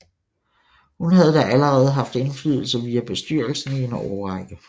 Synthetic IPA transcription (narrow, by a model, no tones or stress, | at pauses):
hunɦæð̞̩ˠd̥æʔæləʁɛːð̞̩ˠɦɑ̈fd̥e̝nflyð̞̰ˠl̩sɐʋiːæb̥e̝sd̥yɐ̰lsn̩enɒɒʁɑɡ̥ə